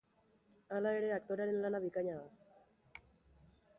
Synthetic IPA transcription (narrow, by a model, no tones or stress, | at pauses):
alaeɾeak̚t̪oɾaɾenlanaβikaɲaa